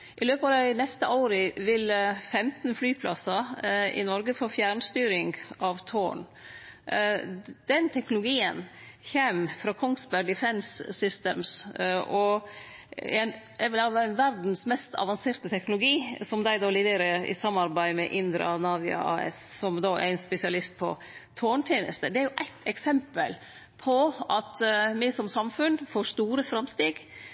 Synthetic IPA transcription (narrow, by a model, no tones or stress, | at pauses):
ʔɪløːpɑd̪æɪnɛst̪əʔɑːɾəʋɪləfɛmt̪n̩flyːpʰlʔɑsɑɪ̰nɔɾɡəfoːfjæːɳst̪yːɾɪŋɡɑʋt̪ʰoːɳ | d̪̥ɛnt̪ʰɛknʊlʊɡiːə̰nçeːmfɾɑːkʰɔŋsbæɖ̪ɪfɛnsːʏst̪ḛːmsʔɔ | æn | æʋɪlɑːʋæːɾɛnʋæɾd̪n̩smɛst̪ʰɑ̰ʋɑnseːɾt̪ət̪ʰɛknʊlʊɡiːsɔmd̪æɪd̪ɑːlɪʋeːɾəɪ̰sɑmːɑɾbæɪmɛʔɪnd̪ɾɑ̰nɑːʋɪɑ̰ɑ̰ːɛ̰s | sɔmd̪oːʔæ̰ɪnspɛsɪɑlɪst̪̚pʰɔ̰ | t̪ʰoːɳt̪ʰjeːnə̰st̪əd̪ɛæɾjʊʔæ̰ɪt̪ʰɛksɛmpəl | pʰɔʔɑt̪mɪsɔmsɑmfʉnfoːst̪uːɾəfɾɑmst̪iːɡ